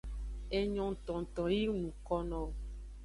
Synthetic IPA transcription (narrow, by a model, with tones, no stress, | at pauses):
e˨ɲɔ̃˨n˨t̪ɔ̃˨n˨t̪ɔ̃˨ji˦nũ˨kɔ˦nɔ̃˨